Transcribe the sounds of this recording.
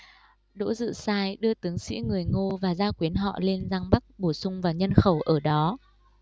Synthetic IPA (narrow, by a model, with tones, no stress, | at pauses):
ɗo̰˧˥zɨ̰˧˨saː˧jɗɨ˧ət̪ɨ˨˦əŋsḭ˧˥ŋɨ˨˩əjŋo˧vaː˨˩zaː˧kwi˨˦ənɦɔ̰˧˨le˧nzaː˧ŋɓa˦˥k̚ɓo˧˩sʊ˧ŋ͡mvaː˨˩ɲə˧nxə˧˩wʔəː˧˩ɗɔ˨˦